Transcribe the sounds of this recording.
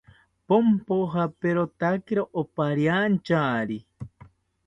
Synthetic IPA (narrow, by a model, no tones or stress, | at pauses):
pompoɦapeɾot̪akiɾoʔopaɾjant͡ʃaɾi